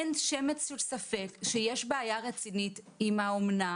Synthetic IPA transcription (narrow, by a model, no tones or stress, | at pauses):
ntʃemetsusafekʃejeʃbeajaʁet͡sinit | imaomna